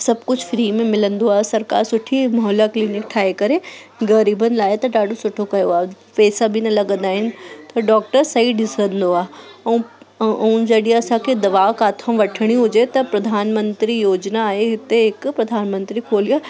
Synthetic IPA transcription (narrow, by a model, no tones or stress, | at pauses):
sɐb̚kʊd͡ʑʰfɾiːmẽmɪlə̃nd̪oaːsɐɾka̰ːɾsʊʈʰimɔɦlakliːnɪk̚ʈʰaːekɐɾe | ɡɐɾiːbʱənɪ̆laːet̪ɐɖaːɖosʊʈʰokɐjoaː | pɛːsabʱinɐlɐɡə̃nd̪aːɦɪnɪ̆t̪ɐɖɔːkʈəɾsɐiɖɪsə̃nd̪oãː | ɐũd͡ʒɐɗiɐsãked̪ɐʋaːʋkaːt̪ʰəmʋɐʈʰəɽ̃iɦʊd͡ʒet̪ɐpɾɐd̪ʱaːnmə̃nt̪ɾijoːd͡ʒnaːeɦɪt̪eɪkpɾɐd̪ʱaːnmə̃nt̪ɾikʰoːlijaː